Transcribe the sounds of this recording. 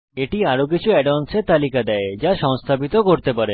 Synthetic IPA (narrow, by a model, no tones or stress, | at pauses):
eʈiaɾok̬it͡ɕʰuɛɖanseɾt̪alikad̪ɛed͡ʑaʃɔŋst̪ʰapit̪okoɾt̪epaɾe